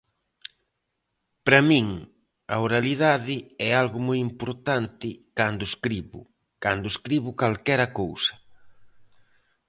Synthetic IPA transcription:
pɾɐmĩŋ | ɐoɾaliðaðɪɛalɣʊmojimpoɾt̪ant̪ɪkand̪ʊeskɾiβʊ̰ | kand̪ʊeskɾiβʊkalkɛɾɐkowsɐ̥

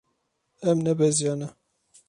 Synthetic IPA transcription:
ɛmnɛbɛzjɑːnɛ

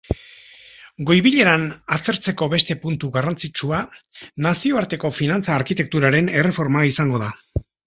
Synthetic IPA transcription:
ɡo̞jβiʎe̞ɾanast̪e̞ɾt͡se̞ko̞βe̞st̪e̞punt̪uɣarant͡sit͡ʃuanasio̞aɾt̪e̞ko̞finant͡saːɾkit̪e̞k̚t̪uɾaɾe̞ne̞re̞fo̞ɾmaisaŋɡo̞ða

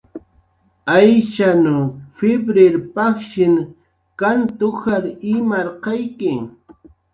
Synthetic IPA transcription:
ajʃanʊfɪbɾɪɾpakʃɪŋ | kant̪ʊxaɾɪmaɾqɑjkɪ

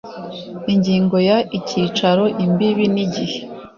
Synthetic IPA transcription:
iɲɟiːŋɡo̞jaʔicʰiːt͡ʃaɾo̞ʔimbiβiniɟihe̞̥

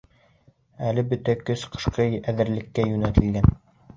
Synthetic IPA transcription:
ælɘbɵt̪ækɵsqʰɤ̥̆ʃqɤjæðɘ̆ɾlɘ̆kːæjʉnæt̪ɘ̆lɡæn

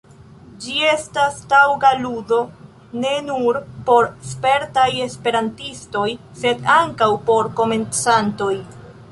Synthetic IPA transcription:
d͡ʒie̞stastawɡaludo̞ | ne̞nuɾpo̞ɾspe̞ɾtaje̞spe̞ɾantisto̞j | se̞daŋkawpo̞ɾko̞me̞nt͡santo̞j

